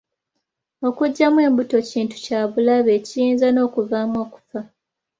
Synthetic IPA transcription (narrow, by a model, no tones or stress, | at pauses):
o̞kuɟːamwe̞ːmbuto̞ciːntu̥caːβulaβe̞cijiːnzano̞ːkuvaːmwo̞ːku̥fa